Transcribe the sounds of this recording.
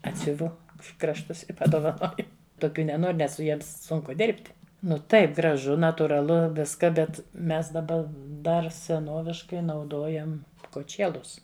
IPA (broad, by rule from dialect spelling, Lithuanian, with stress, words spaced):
ˈɑːtʲsʲʊʋʊ krɐʃˈtʊs ɪ pɐdoːʋɐˈnoːjʊ toːˈkʲuː nʲɛˈnoːrʲ ˈnʲɛs sʊ ˈjiɛms ˈsʊŋkʊ ˈdʲɪrʲpʲtʲ ˈnʊ ˈtɐɪp ɡrɐˈʒʊ nɐtuːrɐˈlˠʊ ˈʋʲɪskɐ bʲɛt ˈmʲɛs dɐˈbɐ ˈdɐr sʲɛˈnoːʋʲɪʃkɐɪ nɐʊˈdoːjɛm koːˈt͡ʃʲeːlˠʊs